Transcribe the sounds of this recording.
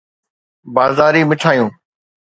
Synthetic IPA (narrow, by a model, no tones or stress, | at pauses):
baːzaːɾiːmɪʈʰaːjũː